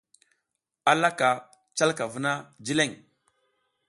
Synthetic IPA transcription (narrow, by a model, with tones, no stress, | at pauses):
a˦la˦ka˨ | t͡ʃa˦lka˨vu˦na˦d͡ʒi˦le˦˨ŋ